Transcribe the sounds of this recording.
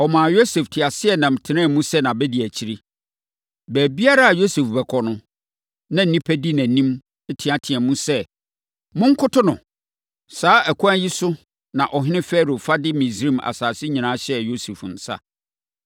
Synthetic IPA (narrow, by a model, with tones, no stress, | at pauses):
ɔ˨mã˨jo˦se˨ftʰɪ˨a˨sɪ˦ɛ˨nã˨m˨tʰɪ˨nã˦˨mũ˦sɛ˦nã˨bɛ˦di˨æ˨t͡ɕʰi˨ɾi˦ | bæː˨bi˦a˦ɾa˦a˨jo˦se˨fbɛ˨kʰɔ˨nʊ̃˦ | nã˦n̩˦nĩ˦pʰæ˦di˦nã˨nĩ˦m˦ | tʰɪ̃˨a˨tʰɪ̃˨a˨mũ˦sɛ˦ | mʊ̃˦ŋ˦kʰʊ˦tʰʊ˦nʊ̃˨ | saː˦ʔæ˨kʰɔ̃˦æ˦ji˦sʊ˦ | nã˨ʔɔ˨ɦɪ̃˦nɪ̃˦fɛː˦ɾo˨fa˦dɪ˦mĩ˨sɾĩ˦˨ma̰˨saː˨sɪ˦ɲĩ˨nãː˦ɕɛ˦jo˦se˨fn̩˨sa̰˦